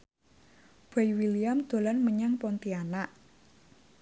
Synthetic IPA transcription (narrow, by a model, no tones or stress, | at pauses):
b̥ajwiliamd̪̥o̤lanməɲaŋpɔnt̪ianaʔ